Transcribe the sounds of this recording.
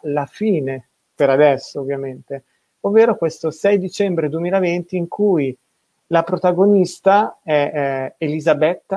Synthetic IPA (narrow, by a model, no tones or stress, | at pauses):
lafiːne | peɾad̪ɛsːoovːjament̪e | ovːeːɾokwest̪osɛjd̪it͡ʃɛmbɾed̪uemiːlavent̪iːŋkʰuj | lapɾot̪aɡonist̪aɛelizabɛt̪ːa